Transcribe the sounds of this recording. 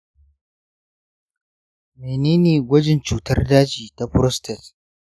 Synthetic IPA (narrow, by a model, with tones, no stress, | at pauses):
meː˨neː˦neː˨ɡʷɐ˦d͡ʒɪ˨nt͡ʃuː˨tɐ˦rdaː˦t͡ʃiː˨ta˨ɸʊ˦ɾɔ˦stɛ˨t